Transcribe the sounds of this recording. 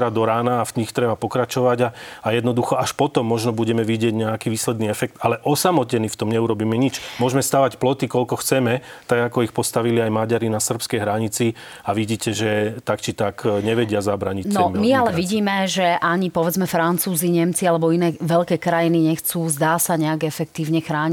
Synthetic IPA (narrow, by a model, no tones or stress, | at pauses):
ɾad̪ɔɾaːnaːfɲixt̪ɾɛbapɔkɾat͡ʃɔʋaɟaajɛd̪nɔd̪uxɔaʃpɔt̪ɔmːɔʒnɔbuɟɛmɛʋiɟɪɛɟɲɛakiːʋiːslɛd̪niɛfɛk̚t̪alɛʔɔsamɔcɛnift̪ɔmɲɛuɾɔbiːmɛɲit͡ʃmʊɔʒmɛst̪aːʋacplɔt̪ikɔʎkɔxt͡sɛmɛt̪aɡakɔixpɔst̪aʋiliajmaɟaɾinasr̩pskɛjɦɾaɲit͡si | aʋiɟiːcɛʒɛt̪akt͡ʃit̪akɲɛʋɛɟɪazabɾaːɲinɔmmialɛʋiɟiːmɛʒɛʔaɲipɔʋɛd͡zmɛfɾant͡suːziɲɛmt͡sialɛbɔinɛːʋɛʎkɛːkɾajiniɲɛxt͡suːzd̪aːsaɲɛaɡɛfɛkt̪iːʊɲɛxɾaːɲi